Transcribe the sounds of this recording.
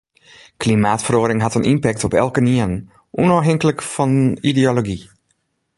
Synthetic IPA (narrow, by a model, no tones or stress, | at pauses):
klimaːtfəroəɾɪŋɦatənʔimpɛk̚tɔpɛ̰lˠkəniən | ʔunoɦɪŋkələkfɔnideoloɡi